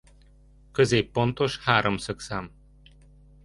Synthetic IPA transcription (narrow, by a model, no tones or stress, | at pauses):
kə̆zejpont̪oʃhaɾʔɤ̆msɤ̆ksam